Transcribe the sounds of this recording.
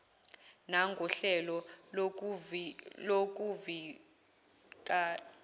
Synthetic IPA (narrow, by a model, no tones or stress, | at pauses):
naŋɡʱɔɬɛlɔ | lok̬ʼuvi | kʼa